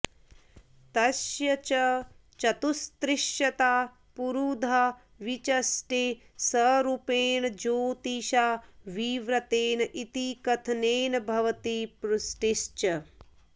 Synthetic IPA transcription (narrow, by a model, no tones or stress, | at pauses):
t̪ɐsjɐt͡ʃɐ | t͡ʃɐt̪ust̪ɾɪʃjɐt̪aː | puɾuːd̪ʱa | ʋit͡ʃɐsʈe | sɐɾupeːɳɐd͡ʒoːt̪iʃaːʋiːʋɾɐt̪eːnɐʔit̪ikɐt̪ʰɐneːnɐbʱɐʋɐt̪ipɾusʈiʃt͡ʃɐ